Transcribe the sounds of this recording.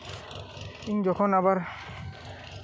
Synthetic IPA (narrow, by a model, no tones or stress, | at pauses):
iŋzɔkʰɔnaβaɹ